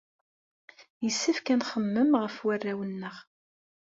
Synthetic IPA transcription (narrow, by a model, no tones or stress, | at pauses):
jəsːəfkænχəmːəmʁəfwærːæwənːəʁ